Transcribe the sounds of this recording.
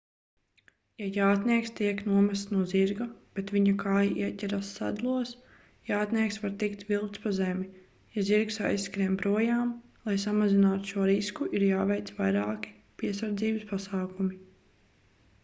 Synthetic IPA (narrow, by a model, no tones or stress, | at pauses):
jajaːt̪niɛkst̪iɛknuɔmæst̪nuɔziɾɡab̥et̪ʋiɲakaːjaʔiɛcʲɛɾasːa̰d̪lˠuɔs | jaːt̪niɛksvaɾt̪ikt̪vilˠk̪t̪spazɛmi | jaziɾksa̰jsːkɾiɛmpɾuɔjaːmlˠajsamazinaːt̪u̥ʃuɔɾiskuʔiɾjaːvɛjt̪svajɾaːki̥ | piɛsaɾd̪ziːbɨspasaːkumi